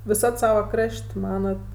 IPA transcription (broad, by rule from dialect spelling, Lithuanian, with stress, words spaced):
ʋʲɪˈsɐt ˈsɑːʋoː ˈkrɐʃʲtʲ ˈmɑːnɐt